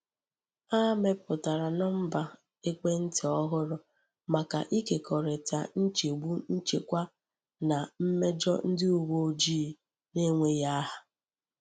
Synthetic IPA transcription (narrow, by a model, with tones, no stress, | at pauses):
a˦me˦pʊ˨ta˨ɾa˨nɔ˦m̩˦ba˨ | e˦ke˦n̩˦tɪ˨ɔ˦ɦʊ˦ɾʊ˦ | ma˨ka̰˨ʔi˦ke˨kʰɔ˨ɾe˨ta̰˨n̩˦t͡ʃe˨ɡ͡bu˦n̩˦t͡ʃe˨kʷa˦ | na˨m̩˦me˦d͡ʒɔ̰˦n̩˦dɪ˦u˨wo˦d͡ʒiː˦ | ne˦ŋʷe˦ja˦ɦa˨